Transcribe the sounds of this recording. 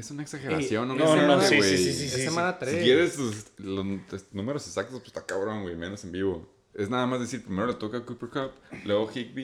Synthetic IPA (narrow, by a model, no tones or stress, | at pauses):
esunaeksaxeɾasjo̞nːonenaaaiweisisemãnat̪ɾeikjeɾessesloest̪nũme̞ɾo̞sesak̚t̪ospst̪akaβɾoŋwejme̞no̞se̞mbiβo̞ | e̞znaðamazðsiɾpɾime̞ɾo̞let̪o̞kakupeɾkapleoxik̚bi